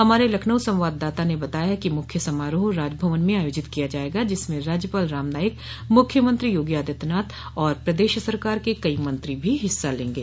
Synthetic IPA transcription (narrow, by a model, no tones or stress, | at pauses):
ɦɐmaːɾelɐkʰnəwsɐ̃mʋaːd̪ːaːt̪anebɐt̪aːjaɦkimʊkʰjəsɐmaːɾoɦɾaːd͡ʒbʱɐʋənmẽaːjoːd͡ʒɪt̪kijad͡ʒaːeːɡad͡ʒɪsmẽɾaːd͡ʒjəpaːlɾaːmnaːjək | mʊkʰjəmɐ̃nt̪ɾijoːɡijaːd̪ʱjət̪naːt̪ɔːɾpɾɐd̪eːʃsɐɾkaːɾkekɐimɐ̃nt̪ɾibʱiɦɪsːalẽːŋɡḛː